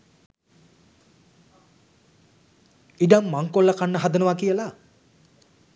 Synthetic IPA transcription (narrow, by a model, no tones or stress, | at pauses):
iɖamːaŋkolːakanːəɦad̪ənuʋakijəla